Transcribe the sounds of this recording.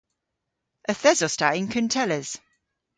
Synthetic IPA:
əθɛzɔstaʔɪ̃nkʰəntʰɛləz̥

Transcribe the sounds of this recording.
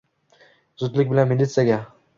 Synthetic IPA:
zʊt̪lɪkʲbɪlanmilit̪sjaɡʲa

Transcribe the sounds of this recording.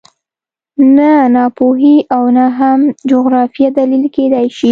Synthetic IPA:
nanɑpoɦiʔawnaɦamd͡ʒoɣɾɑfijad̪alilked̪ajʃi

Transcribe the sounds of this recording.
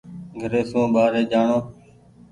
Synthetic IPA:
ɡʱəɾeːsũːɓaːɾeːd͡ʒaːɳoː

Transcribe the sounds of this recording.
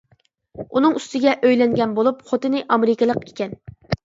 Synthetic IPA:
unɨŋyst̪ɪɡʲɛʔøjlɛŋɡʲɛnbolˠupχot̪ɨnɪʔɑmeɾɪkʲəlˠəqekʲɛn

